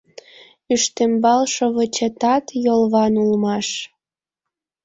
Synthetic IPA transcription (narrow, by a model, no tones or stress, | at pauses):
yʃt̪embɑlʃoβət͡ɕet̪ɑt̪jolβɑnulmɑʃ